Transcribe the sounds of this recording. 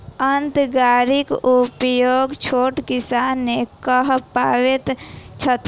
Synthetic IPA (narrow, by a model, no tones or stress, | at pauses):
ənt̪ɡaːɾikupjoːɡt͡ʃʰoːʈkisanekəɦpaːwet̪t͡ʃʰət̪